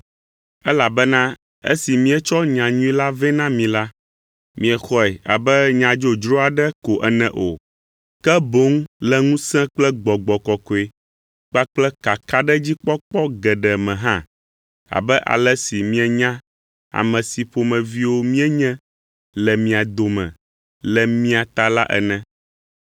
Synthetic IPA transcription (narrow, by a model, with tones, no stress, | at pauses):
ɛ˦la˨bɛ˦nã˦ | ɛ̰˦si˨mĩ˦ɛ˦t͡ʃɔ˦ɲã˨ɲũ˦ĩ˦la˦vɛ̃˦nã˦mĩ˨la˦ | mĩ˨ɛ˨xɔ˦ɛ˨a̰˨bɛ˦ɲã˨d͡ʒo˨d͡ʒɾo˦a˨ɖɛ˦ko˨ʔɛ̰˨nɛ̃˨ʔo̰˨ | kɛ˦bo˨˦ŋ˦lɛ˨ŋũ˦sɛ̃˦k͡plɛ˦ɡ͡bɔ˨ɡ͡bɔ˨kɔ˨kɔ˨e˨ | k͡pa˦k͡plɛ˦ka˨ka˦ɖɛ˦d͡ʑi˦k͡pɔ˦k͡pɔ˦ɡɛ˨ɖɛ˨mɛ̃˨ɦã̰˦ | a̰˨bɛ˦ʔa̰˨lɛ˦si˨mĩ˦ɛ˨ɲã˦ | a̰˨mɛ̃˨si˨ɸo˨mɛ̃˨vi˦wo˦mĩ˦ɛ˦ɲɛ̃˦ | lɛ˨mĩ˨a˨d̪o˨mɛ̰̃˨ | lɛ˨mĩ˦a˨t̪a˨la˦ʔɛ̰˨nɛ̃˨